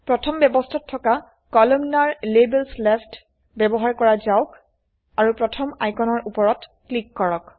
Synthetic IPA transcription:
pɹɔtʰɔmbɛbɔstʰatʰːɔka | kɔlɔmnaɹlebɛlslɛfʰt | bɛbɔɦaɹkɔɹazaʊk | aɹupɹɔtʰɔma̰jkɔnɔɹʔupɔɹɔtklikːɔɹɔk

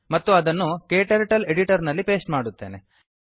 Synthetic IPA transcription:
mɐt̪ːuɐd̪ɐnːukeːʈɐɾʈɐleɽiʈɐɾnɐlːipe̞ːsʈmaːɽut̪ːe̞̰ːnḛ

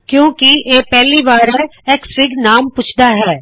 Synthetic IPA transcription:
kjõːkieːpɛɦlibaːɾeeːksɾɪɡnaːmpʊt͡ʃʰd̪aɦɛː

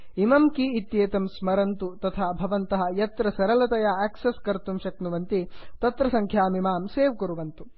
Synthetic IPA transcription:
imɐmkiːt̪jeːt̪ɐmsmɐɾɐnt̪ut̪ɐt̪ʰaːbʱɐʋɐnt̪ɐɦɐ̆jɐt̪ɾɐsɐɾɐlɐt̪ɐjaːɛːksɐskɐɾt̪umʃɐk̚nuʋɐnt̪it̪ɐt̪ɾɐsɐŋkʰjaːmimaːmseːʋkuɾuʋɐnt̪u

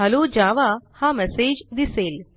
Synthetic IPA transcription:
ɐloːd͡ʒaʋahãmɛseːd͡ʒd̪iseːl

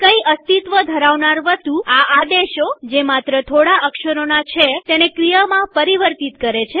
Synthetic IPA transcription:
kəiəst̪it̪ʋəd̪ʱəɾaʋnaɾʋəst̪uaad̪eʃod͡ʒemat̪ɾət̪ʰoɽaəkʃəɾonat͡ʃʰet̪enekɾijəmãpəɾiʋəɾt̪it̪kəɾet͡ʃʰe

